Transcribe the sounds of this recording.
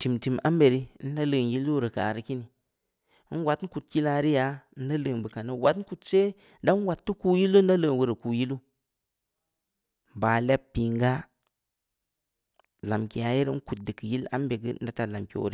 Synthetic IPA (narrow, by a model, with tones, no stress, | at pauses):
ti˨mti˨ma˦mbe˨ɾi˦n˦da˦lə˨nji˦lːu˦˨ɾə˨ka̰˨ɾi˨ki˦ni˨˦ | n˦wa˨tn̩˦ku˨tji˦la˦ɾi˦ja˨˦n̩˦da˦lɨ˨nbə˨ka˨nə˦wa˦tn̩˦ku˨tse˦ | da˦n˦wa˨tːu˦ku˦ji˦lu˦n˦da˦lə˦˨nwu˨ɾə˨ku˨ji˦lu˦ | ba˨le˦ppːi˨ŋɡa˦ | la˨mki˨ja˨ji˦ɾn̩˦ku˨t̚də˨kə˨ji˦la̰˦mbe˨ɡə̰˦n˦da˦ta˨la˨mkḭ˨o̰˨ɾḭ˦